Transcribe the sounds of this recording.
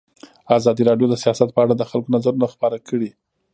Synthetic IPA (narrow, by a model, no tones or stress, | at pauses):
azɑd̪iɾɑɖjod̪əsijɑsat̪̚pəaɽad̪əxalkonazaɾunaxpɑɾakəɽi